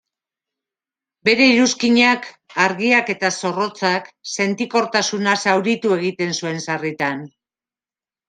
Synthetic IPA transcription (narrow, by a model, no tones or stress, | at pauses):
be̞ɾe̞iɾuskiɲak | aɾɣiake̞t̪aso̞ro̞t͡sakse̞nt̪iko̞ɾt̪asunasawɾit̪ue̞ɣ̞it̪e̞nsue̞nsarit̪an